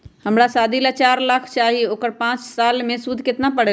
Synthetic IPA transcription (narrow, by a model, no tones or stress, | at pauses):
həmɾasaːd̪ʱilat͡ʃaːɾlakʰt͡ʃaɦioːkəɾpãːt͡ʃsalmẽsud̪ʱket̪napəɽe